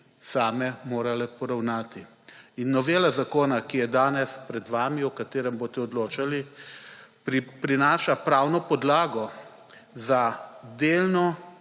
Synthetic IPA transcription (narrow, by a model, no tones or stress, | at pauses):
saːmɛmoːɾalɛpɔɾawnaːt̪i | inːɔʋeːlazakoːnakijɛd̪aːnɛspɾɛd̪ʋaːmiɔkat̪eːɾɛmboːst̪ɛɔd̪loːt͡ʃali | pɾipɾinaːʃapɾaːwnɔpɔd̪laːɡɔ | zad̪eːlnɔ